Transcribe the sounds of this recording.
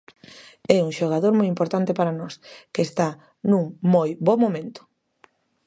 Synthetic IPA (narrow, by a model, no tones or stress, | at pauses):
ɛuŋʃoɣ̞aðoɾmojimpoɾt̪ant̪eɪpaɾanɔskeːst̪a | nũŋmojβɔmomẽnt̪ʊ̥